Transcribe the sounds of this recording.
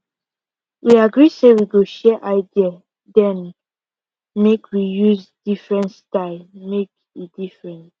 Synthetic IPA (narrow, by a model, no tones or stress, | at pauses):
wiaɡɹisewiɡoʃɛʔaɪdia | dɛ̃n | mekʰwijuzd̥ifɹɛ̃ntstaɪlmek̚ | idifɹɛ̃nt